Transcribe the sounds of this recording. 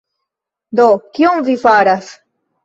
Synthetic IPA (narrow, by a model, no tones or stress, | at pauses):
d̪okioŋvifaɾas